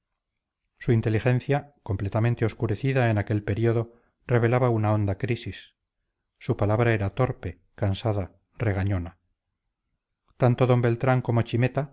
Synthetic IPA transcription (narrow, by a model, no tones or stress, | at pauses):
suint̪elixẽ̞nθjako̞mplet̪ament̪eo̞skuɾe̞θiðaenake̞lpe̞ɾio̞ðo̞ | re̞β̞e̞laβaunaõ̞nd̪akɾisisː | upalaβ̞ɾae̞ɾat̪o̞ɾpe | kansaða | re̞ɣaɲona | t̪ant̪oðo̞mbe̞lt̪ɾaŋko̞mo̞t͡ʃime̞t̪a